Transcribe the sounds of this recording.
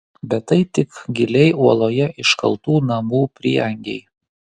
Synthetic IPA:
bʲɛt̪ːɐɪt̪ʲɪkɡʲɪlʲɛɪuɔlˠoːjɛʔɪʃkɐ̰lˠˑt̪uːnɐmuːpʲɾʲɪ̰ːɛŋʲɡʲɛɪ

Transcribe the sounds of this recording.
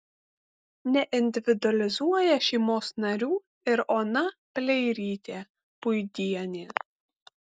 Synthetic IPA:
nʲɛʔɪnʲd̪ʲɪʋʲɪd̪ʊɐlʲɪzuɔjɛʃʲɛɪmoːsnɐɾʲuː | ɪɾoːnɐpʲlʲɛɪɾʲiːt̪ʲeː | pʊjd̪ʲiɛnʲeː

